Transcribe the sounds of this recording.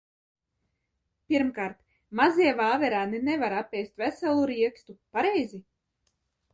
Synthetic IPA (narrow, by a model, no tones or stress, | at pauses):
pʲiɾmkaːɾt̪ | maziɛvaːvɛɾaːninɛvaɾapʲːɛjst̪ʲvʲæsɛlˠuɾiɛkst̪upaɾejzi